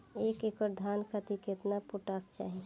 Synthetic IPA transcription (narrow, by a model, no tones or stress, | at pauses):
eːkekəɾd̪ʱaːnkʰat̪iket̪napʊʈaːst͡ʃa̰ːɦi